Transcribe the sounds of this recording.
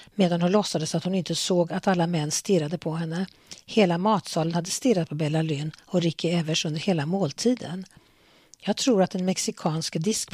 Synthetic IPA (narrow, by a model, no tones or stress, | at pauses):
meːd̪anhʊnlɔsːad̪əsat̪hʊnɪnt̪əsoːɡat̪alːamɛnːst̪ɪɾad̪əpʰɔɦɛnːə | heːlamɑːt̪sɑːlənhad̪ːəst̪ɪɾat̪̚pʰɔbɛlalyːnɔɾɪkːɪɛvəʂɵnd̪əɾheːlamoːlt̪ʰiːd̪ə̰n | jɑːɡ̚t̪ʰɾuːɾat̪̚d̪ɛnmɛksɪkʰɑːnskd̪ɪsk